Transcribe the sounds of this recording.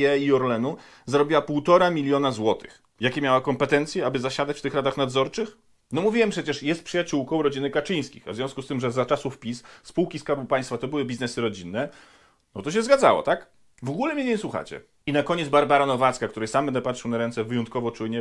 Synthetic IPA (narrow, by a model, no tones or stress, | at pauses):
ɛiɔɾlɛnu | zaɾɔbʲiwapuwt̪ɔɾamʲilʲjɔnazwɔt̪ɘ̥x | jakʲɛmʲjawakɔmpɛt̪ɛnt̪sʲjɛabɘzaɕad̪at͡ɕft̪ɘxɾad̪axnad̪zɔɾt͡ʂɘx | nɔmuvʲiwɛmpʂɛt͡ɕɛʂjɛst̪̚pʂɨjat͡ɕuwkɔ̃w̃ɾɔd͡ʑinɘkat͡ʂɘj̃skʲḭxavzvʲjɔ̃w̃skust̪ɘmʐɛzat͡ʂasufpʲisspuwkʲiskaɾbupaj̃st̪fat̪ɔbɘwɘbʲiznɛsɘɾɔd͡ʑinːɛ | nɔt̪ɔɕ̬ɛzɡadza̰wɔ̰t̪ak | vɔɡulɛmʲɲeɲeɲɛswuxa̰t͡ɕɛ̰ | inakɔɲɛd̪zbaɾbaɾanɔvat̪skakt̪uɾɘsambɛnd̪ɛpat̪ʂɨwnaɾɛnt̪sɛvɘjɔnt̪̚kɔvɔt͡ʂujɲɛ